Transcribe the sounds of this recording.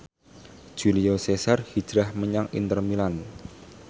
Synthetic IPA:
ʒ̥uliosesarhid̥d͡ʒ̥ɾahməɲaŋḭnt̪ərmilan

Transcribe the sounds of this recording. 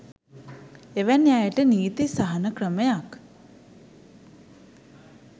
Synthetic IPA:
eʋænjajəʈəniːt̪isaɦanəkrəməjak

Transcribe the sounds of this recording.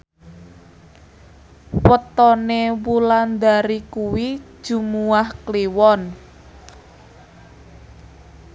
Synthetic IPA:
wət̪ɔnewuland̪aɾikuwi̥ | ʒ̥ṳmuahkliwɔn

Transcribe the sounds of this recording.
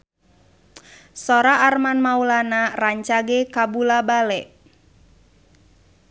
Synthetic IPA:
sɔɾaʔːrmanmaulanaraɲt͡ʃaɡɛkabulabalɛʔ

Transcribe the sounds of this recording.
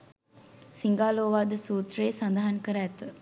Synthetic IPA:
siŋɡaːloːʋad̪əsuːt̪ɾeːsɐnd̪aɦɐnkəɾæːt̪ə

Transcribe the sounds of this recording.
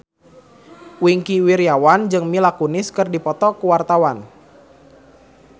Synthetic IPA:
wiŋkiwiɾjawand͡ʒɨŋmilakunɪskɨrdipɔt̪ɔkəwart̪awan

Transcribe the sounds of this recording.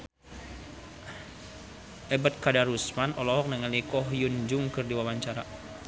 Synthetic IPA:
ʔɛbat̪̚kadaɾusmanɔlɔɦɔk̚nəŋalikɔɦjund͡ʒuŋkɨrdiwawaɲt͡ʃaɾa

